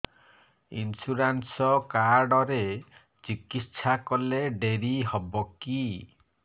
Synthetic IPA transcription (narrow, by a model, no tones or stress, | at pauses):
ḭnsuɾansɔkaɾɖɔɾe | t͡ʃikitʃʰakɔleɖeɾiɦɔbɔki